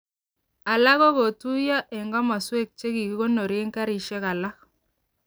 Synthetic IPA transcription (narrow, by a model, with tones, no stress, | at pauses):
a˨la˦ɣɔ˦ɣo˨tu˦ja˦ʔɛ˨ŋɡɔ˦ma˨swe˦˨k̚t͡ʃe˦ki˨ɡi˦ɣo˦no˨ɾe˦ŋka˦ɾi˨ʃɛ˦ka˨la˦k